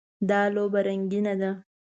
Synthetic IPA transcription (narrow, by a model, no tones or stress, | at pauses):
d̪ɑlobaɾaŋɡinad̪a